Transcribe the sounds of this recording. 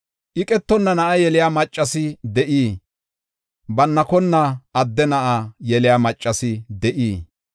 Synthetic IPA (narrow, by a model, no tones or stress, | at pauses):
ʔɪkʼɛt̪ːɔnːɐnɐʔɐjɛlɪjaːmɐt͡ʃʼːɐsɪd̪ɛʔiː | bɐnːɐkɔnːɐʔɐd̪ːɛnɐʔajɛlɪjaːmɐt͡ʃʼːɐsɪd̪ɛʔiː